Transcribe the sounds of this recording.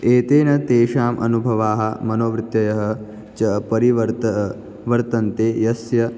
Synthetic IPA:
eːt̪eːnɐt̪eːʃaːmʔɐ̰nubʱɐʋaːɦɐ̆mɐnoːʋɾɪt̪jɐjɐɦɐ̆ | t͡ʃɐpɐɾiʋɐɾt̪ɐ | ʋɐɾt̪ɐnt̪eːjɐsjɐ

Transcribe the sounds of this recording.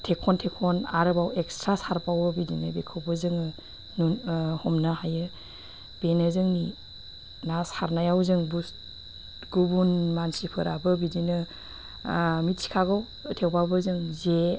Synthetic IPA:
tʰekʰɔntʰekʰɔnaɾɯbawekstɾasaɾpawbɯbidinɯ̰bekʰɯwbɯzɯŋɯ | nhɔmnaɦajɯ | b̥enɯzɯŋni | nasaɾnajawzɯŋbus | ɡ̥ubunmansipʰɯɾabɯbidinɯ | mit̚si̥kʰaɡɯw | tʰewpawbɯzɯŋze

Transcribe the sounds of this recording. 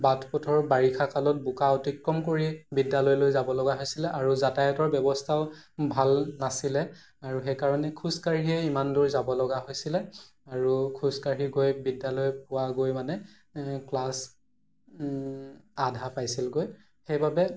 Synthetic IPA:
batʰpɔtʰɔɹbaɹikʰakalɔt̚bukaɔtikɹɔmkoɹibidalɔjlojzabɔlɔɡaɦojsilɛʔaɹuzatajɔtɔɹbjɔbɔstʰaʊbʱalnasilɛ | aɹuxɛjkaɹɔnɛkʰuskaɹiɛimanduɹzabɔlɔɡaɦojsilɛ | aɹukʰuskaɹiɡojbidːalɔjp̚ʊwaɡojmanɛ | klas | adʱapajsilɡoj | xejbabɛ

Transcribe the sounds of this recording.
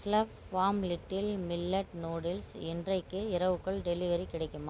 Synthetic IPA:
sɪlɐp | faːmlɪʈːɪlmɪlːɐʈnoːɽɪlsɛndrɐɪkːɯɪɾɐʋɯkːɐɭɖɛlɪʋɐɾikːɪɽɐɪkːɯma

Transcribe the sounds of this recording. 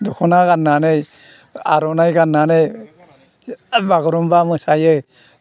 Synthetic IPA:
d̪ɔkʰɔnaɡanːanej | aɾɔnajɡanːanej | baɡɔɾɔmbamɯsajɯ

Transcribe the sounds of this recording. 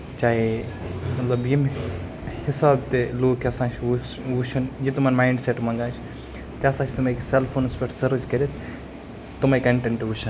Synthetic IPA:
t͡ʃaːɦe | mɐt̪lɐbjim | hɪsaːbt̪eloːkʰɐsãːt͡ʃʰu | ut͡ʃʰɐnjit̪umɐnmaːiɳɖseʈmɐŋɡaːt͡ʃʰ | t̪eɐsãːt͡ʃʰt̪umekselpʰoːnspʲeʈsɐɾd͡ʒkɐɾit̪ʰ | t̪umaekɐɳʈeɳʈʋuʃʰɐn

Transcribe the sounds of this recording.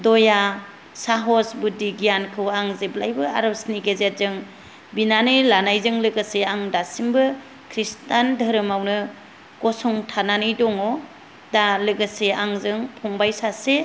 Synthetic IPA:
dɔja | saɦɔsbudiɡijankʰɯwaŋzeblajbɯa̰ɾɔsniɡezet̚zɯŋ | binanɯjlanajzɯŋlɯɡɯseaŋdasimbɯ | kʰɾistandəɾɯmawnɯ | ɡ̥ɔsɔŋtʰananɯjdɔŋɔ | dalɯɡɯseaŋzɯŋpʰɔŋbajsase

